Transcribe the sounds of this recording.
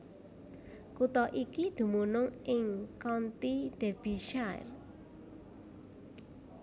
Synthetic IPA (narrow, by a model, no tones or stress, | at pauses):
kut̪ɔʔikid̪̥ṳmunʊŋʔɪŋkɔnt̪iɖ̪̥e̤b̥i̤ʃaj̰l